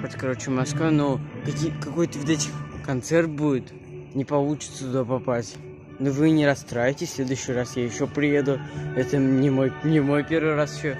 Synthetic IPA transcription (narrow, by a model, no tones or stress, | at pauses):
ot̪ʲkɐɾo̞t͡ɕɪmɐskvanokɐkʲikɐko̞jt̪əvot̪ɛtʲɪkɐnt̪sɛrt̪̚budʲɪt̪ | nʲɪpɐlˠut͡ɕɪ̥t̪sət̪ʊd̪apɐpasʲtʲ | novɨnʲɪɾɐst̪ɾajɪtʲɪsʲlʲe̞d̪ʊjɕːɪjrasjajɪɕːopɾʲɪjed̪ʊɛt̪ənʲɪmojnʲɪmo̞jpʲe̞rvɨjrasɪ̥ɕo